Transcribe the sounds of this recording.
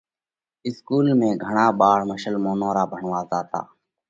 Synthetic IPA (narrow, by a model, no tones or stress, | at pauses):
ɪskuːlmẽːɡʱəɳaːɓaːɽməʃəlmoːnõːɾaːbʱəɳʋaːzaːt̪a̰ː